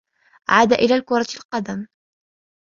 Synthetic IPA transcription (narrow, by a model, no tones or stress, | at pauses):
ʔa̰ʕaːd̪aʔɪlaːlkʊɾˤɑlqɑd̪am